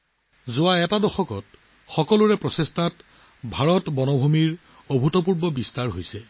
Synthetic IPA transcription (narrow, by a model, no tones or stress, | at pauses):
zʊwaɛtadɔxɔkɔt | xɔkɔlʊɹɛpɹɔsestat | bʱaɹɔtbɔnɔbʱumiɹ | obʱutɔpuɹbɔbistaɹɦojsɛ